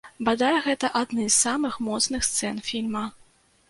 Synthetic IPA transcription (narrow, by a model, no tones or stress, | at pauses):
bad̪ajɛɣɛt̪ɐʔad̪nɨssamɨxmɔt̪snɨxst̪sɛnfʲilʲmɐ